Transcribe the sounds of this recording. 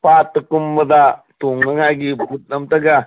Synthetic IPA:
paːt̪kumbɐd̪at̪uŋɡɐŋaɡibʱut̪̚nɐmt̪ɐɡa

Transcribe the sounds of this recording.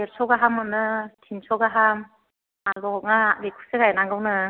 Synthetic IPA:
eɾsɔɡaɦamɯnɯtʰinsɔɡaɦam | alɔɔk̚ŋabikʰu̥sɯɡajnaŋɡɯwnɯ

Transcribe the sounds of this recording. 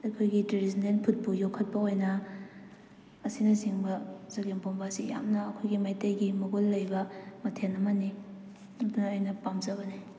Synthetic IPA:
ɐjkʰojɡiteɾizinenpʰut̚pujokʰːɐt̚pɐojnɐ | ɐsinɐsiŋbɐzɐɡempombasija̰mnɐːkʰojɡimajtɐjɡimoɡulːɐjbɐmɐtʰenɐmɐni | ɐdunɐːjnɐpamzɐbɐni

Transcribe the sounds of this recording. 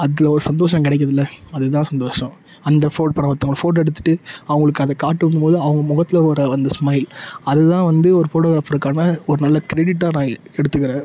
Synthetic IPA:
ɐðɪlɐɔɾɯsɐnd̪oːʂɐ̃mkɪɽɛɪk̬ːɐðɪlːɐɐðɯt̪ãːsɐnd̪oːʂɐ̃ | ɐnd̪ɐfoːʈ̚pɐɳɐpɐt̪ːɐŋɡɐɭɐfoːʈ̬ɛɽɯt̪ːɯ̥ʈːɯɐʋɐŋɡɐɭɯkːɯɐðɐkaːʈːɯʋɐndɯmpoːðɯɐʋɐŋɡɐmʊɣɐt̪ːɪlɐoɾɐɐnd̪ɐsmɐɪlɐðɯt̪ãːʋɐnd̪ɯɔɾɯfoːʈoːɣɾaːfɪɾɯkːaːnɐɔɾɯnɐlːɐkɪɾɛɽɪʈːaːnãːɛɽɯt̪ːɯkːɪɾẽː

